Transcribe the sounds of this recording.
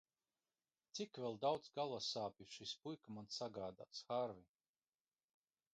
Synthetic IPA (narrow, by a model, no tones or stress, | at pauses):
t̪sikvʲɛlˠd̪awd̪zɡalˠasaːpʲiʃispujkamansaɡaːd̪a̰ːsxaɾvi